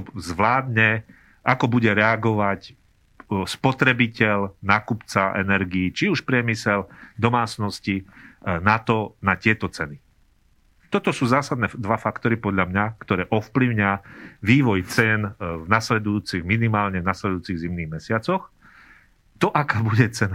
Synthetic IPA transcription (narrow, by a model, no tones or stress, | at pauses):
zʋlaːd̪ɲɛ | ʔakɔbuɟɛɾɛaɡɔʋac | spɔt̪ɾɛbicɛʎnaːkupt͡saʔɛ̰nɛɾɡiːt͡ʃiuʃpɾɪɛmisɛld̪ɔmaːt͡snɔscinat̪ɔnat̪ɪɛt̪ɔt͡sɛni | t̪ɔt̪ɔsuːzaːsad̪nɛːd̪ʋafakt̪ɔɾipɔd̪ʎamɲakt̪ɔɾɛːʔɔfpliʊɲɪaʋiːʋɔjt͡sɛnvnaslɛd̪ujuːt͡siɣminimaːlɲɛvnaslɛd̪ujuːt͡siɣzimniɣmɛsɪat͡sɔx | t̪ɔʔakaːbuɟɛt͡sɛna